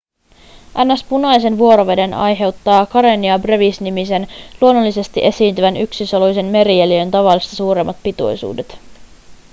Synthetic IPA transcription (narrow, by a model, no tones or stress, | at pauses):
ʔænːæspunɑjse̞nʋuo̞ɾo̞ʋe̞de̞nɑ̰jɦe̞wt̪ːɑːkɑɾe̞niɑbre̞ʋisnimise̞nluo̞nːolːise̞st̪iʔe̞siːnt̪yʋænyksisolujse̞nme̞ɾieliønt̪ɑʋɑlːˑist̪ɑsuːɾe̞mːɑt̪̚pit̪ṵjsṵːde̞t̪